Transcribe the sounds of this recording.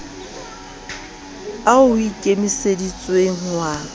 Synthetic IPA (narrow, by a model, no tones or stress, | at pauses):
aʊikʼemisedit͡sʼweŋ̩wa